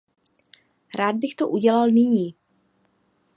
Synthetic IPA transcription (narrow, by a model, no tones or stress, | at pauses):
ɾaːd̪̚bɪxt̪oʔuɟɛlalnɪɲiː